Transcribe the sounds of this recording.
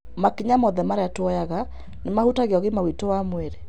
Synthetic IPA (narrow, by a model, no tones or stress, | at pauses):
makiɲamɔðɛmaɾeatwɔjaɣa | nemahutaɣeɔɣemawitowamweɾe